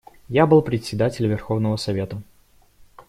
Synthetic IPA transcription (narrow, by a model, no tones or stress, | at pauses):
jabɨlˠpɾʲɪt̪ʲsʲɪd̪atʲɪlʲvʲɪrxovnəvəsɐvʲe̞t̪ə